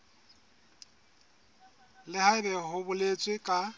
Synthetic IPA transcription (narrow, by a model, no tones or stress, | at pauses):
lɪhaɪbɛɦʊbʊlet͡sʼwɪkʼa